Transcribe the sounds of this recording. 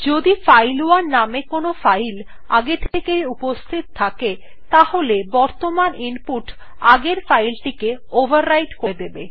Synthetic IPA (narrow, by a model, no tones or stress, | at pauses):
d͡ʑod̪ifajloaɾnamekonofajl | a̰ɡet̪ʰekejupost̪ʰit̪t̪ʰake | t̪aholebɔɾt̪omanimpuʈ | aɡeɾfajlʈikeobʱaɾːajʈkoed̪ebe